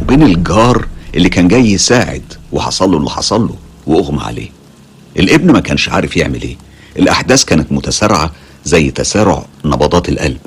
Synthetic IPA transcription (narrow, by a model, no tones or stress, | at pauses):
webeːnelɡɑːɾˤʔelːiːkæːnɡæːjːesaːʕḛd̪weħɑ̰sˤɑlːolːiħɑ̰sˤɑlːo | weʔoɣmæ̰ʕa̰lḛː | ʔelʔebnmækæːnʃʕa̰ːɾefjeʕmelʔeː | ʔelʔaħd̪æːskæːnet̪mʊt̪æsɑɾˤʕa | zæjːt̪æsæːɾo̰ʕnɑbɑd̪ˤɑːt̪elʔæ̰lb̥